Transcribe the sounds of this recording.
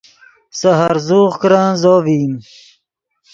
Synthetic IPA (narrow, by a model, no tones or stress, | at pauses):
sɐɦaɾzuːχkɾãːnzoːviːm